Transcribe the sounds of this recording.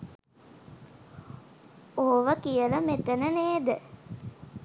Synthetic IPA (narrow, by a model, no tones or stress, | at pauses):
oʋəkijələmet̪ənəneːd̪ə